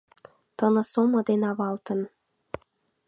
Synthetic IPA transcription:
t̪ɤ̆nɤ̆somɤ̆d̪enɑβɑlt̪ə̆n

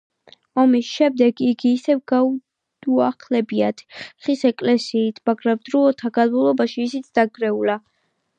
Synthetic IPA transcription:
ɔmisʃɛmd̪ɛɡiɡiːsɛvɡa | d̪uaχlɛbiat̪ʰχisɛkʼlɛsiːt̪ʰmaɡɾamd̪̥ɾuɔt̪ʰaɡad̪mulˠɔbaʃiːsit̪sʰd̪̥aɡɾɛula

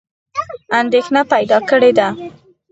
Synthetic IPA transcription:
and̪exnapajd̪ɑkəɽed̪a

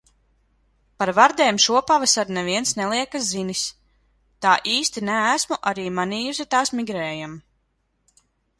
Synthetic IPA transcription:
paɾvaɾd̪eːmʃuɔpavasaɾnɛviɛnsnɛlˠiɛkazinis | t̪aːʔiːst̪inæːsmuʔaɾiːmaniːjus̬it̪aːsmiɡɾɛːjam

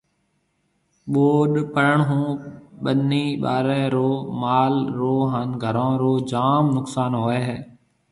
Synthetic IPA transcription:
ɓoːɗpəɾəɳɦũːɓənːiːɓa̰ːɾẽːɾoːmaːlɾoːɦaːnɡʱəɾãːɾoːd͡ʒaːmnʊksaːnɦoːeːɦɛː

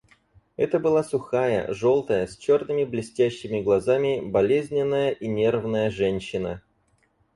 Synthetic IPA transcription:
ɛt̪əbɨlˠasʊxajə̰ʐo̞lˠt̪əjəsʲt͡ɕo̞rnɨmʲɪblʲɪsʲtʲæɕːɪmʲɪɡlˠɐzamʲɪbɐlʲezʲnʲɪnːəjəʔinʲervnəjəʐɛnʲɕːɪnə̰

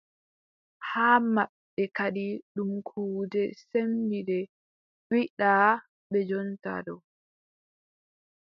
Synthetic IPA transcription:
haːmaɓːɛkaɗiɗumkʰuːdɛsembidɛ | iɗaː | ɓɛd͡ʒɔnta̰ɗɔ

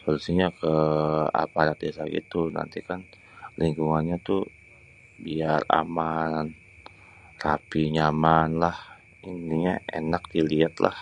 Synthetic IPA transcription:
pəɾusiɲakəa̰paɾat̪̚desaɡḭt̪una̰nt̪ikan | liŋkuŋanɲat̪u | biara̰man | rapiɲamanlah | indiɲaḛnak̚diliat̪lʔa̰h

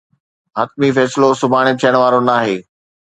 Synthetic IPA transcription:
ɦɐt̪̚mifɛːslosʊbʱaːɽ̃ɪt̪ʰijəɽ̃ʋaːɾonaːɦeː

